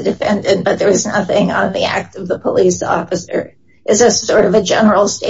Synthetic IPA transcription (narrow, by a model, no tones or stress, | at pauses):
ɨdɨfɛ̃ndɨ̃nb̥ʌt̪̚ðə˞ɨznʌθɪ̃ŋə̃nðiæ̰k̚tʌvðəpʰəlisɔ̰fɨsə̰˞ | ʔɨzɨsɔɹɾʌvɨd͡ʒɛnə˞l̩ˠste